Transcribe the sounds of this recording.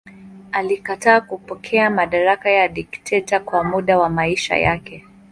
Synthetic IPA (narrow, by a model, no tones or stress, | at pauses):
alikataːkupɔkʰɛamaɗaɾakajaɗiktʰɛtakwamuɗawamaiʃa̰ja̰kɛ